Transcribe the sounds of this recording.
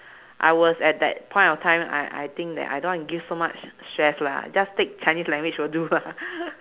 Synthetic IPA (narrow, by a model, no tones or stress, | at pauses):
ʔa̰ɪwɔsɛt̚dɛ̰t̚pʰɔ̃j̃ntɔftʰãɪ̃ma̰jʔa̰jt̪ɪ̃ŋk̚dɛ̰ta̰jdõnwɔ̃nɡifsomat͡ʃstɹɛsla̰d͡ʒastek̚t͡ʃãɪnislɛ̃ŋɡwɪt͡ʃfɔdula